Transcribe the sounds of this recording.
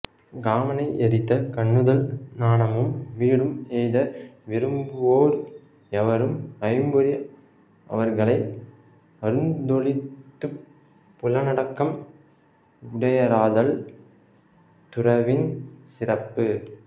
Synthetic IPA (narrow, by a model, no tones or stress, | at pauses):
ɡaːmɐnɐɪʔɛɾɪt̪ːɐkɐɳːɯðɐlnaːnɐmɯmʋiːɽɯmejðɐʋɪɾɯmbɯoːɾ | ɛʋɐɾɯmɐɪmbɯɾi | ʔɐ̰ʋɐɾɣɐɭɐɪ | ɐɾɯnd̪ɔɭɪtt̪ːɯ | pːʊlɐnɐɽɐkːɐm | ʊɽɐjɐɾaːðɐl | t̪ʊrɐʋɪnsɪrɐpːɯ